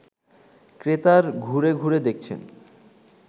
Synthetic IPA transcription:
kɾet̪aɾɡʱuɾeɡʱuɾed̪ek̚t͡ɕʰḛn

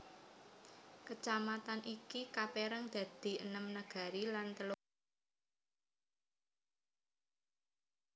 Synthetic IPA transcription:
kət͡ʃamat̪anʔikikapeɾəŋd̪̥ä̤d̪̥i̤ʔənəmnəɡ̥a̤ɾilant̪əlo

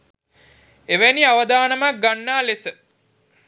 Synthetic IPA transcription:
eʋæniaʋɐd̪aːnəmak̚ɡanːaːlesə

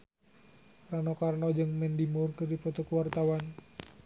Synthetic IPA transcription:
ranɔkarnɔd͡ʒɨŋmɛndimurkɨrdipɔt̪ɔkəwart̪awan

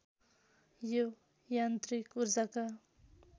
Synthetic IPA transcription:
jo | jant̪ɾikuɾd͡zaka

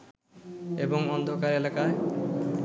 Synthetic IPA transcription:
eboŋbɔnd̪ʱokaɾelakae

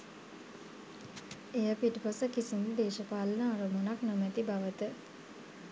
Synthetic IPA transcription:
ejəpiʈəpasəkisiməd̪eːʃəpaːlənəaɾəmonaknomæt̪ibaʋət̪ə

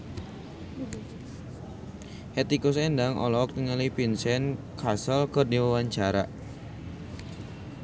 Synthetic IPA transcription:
hɛt̪ikusɛndaŋʔɔ̰lɔk̚t̪iŋalipinsɛnkasəlkərdiwawaɲt͡ʃaɾa

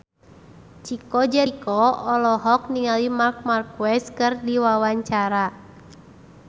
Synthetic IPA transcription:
t͡ʃikɔd͡ʒɛkɔɔlɔɦɔk̚niŋalimark̚markwɛskɨrdiwawaɲt͡ʃaɾa

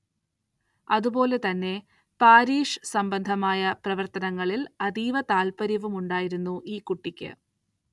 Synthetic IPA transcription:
ɐðubo̞ːle̞t̪ɐnːe̞ | paːɾiːʂsɐmbɐnd̪ʱɐmaːjɐprɐʋɐrt̪ɐnɐŋːɐɭilɐðiːʋɐt̪aːlpɐɾjɐʋumuɳɖaːjiɾunːuʔiːkuʈːikʲːɨ̰

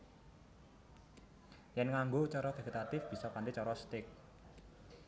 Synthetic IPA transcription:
jɛnŋaŋɡot͡ʃɔɾɔd̥e̤ɡet̪at̪ɪfb̥i̤sɔpandit͡ʃɔɾɔst̪ɪk̚

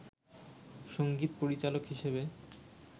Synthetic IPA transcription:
ʃoŋɡit̪poɾit͡ɕalokɦiʃebe

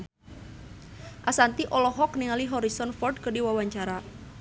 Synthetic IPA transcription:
ʔasant̪iʔɔlɔɦɔk̚niŋaliɦɔɾisɔnfɔrd̚kərdiwawaɲt͡ʃaɾa

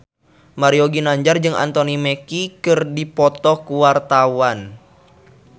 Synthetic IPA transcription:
maɾioɡinaɲd͡ʒard͡ʒɨŋa̰nt̪onimekikɨrdipɔt̪ɔkuwart̪awan

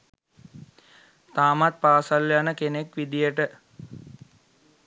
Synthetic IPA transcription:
t̪aːmat̪̚paːsaljanəkenekʋid̪ijəʈə

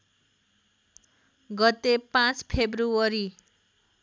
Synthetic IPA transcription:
ɡʌt̪epãt͡spʰebruʌɾi

